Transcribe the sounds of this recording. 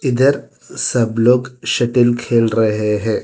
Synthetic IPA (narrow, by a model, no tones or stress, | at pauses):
ɪd̪əɾ | sɐbloːɡʃɐʈɪlkʰeːlɾɐɦeɦɛ̃ː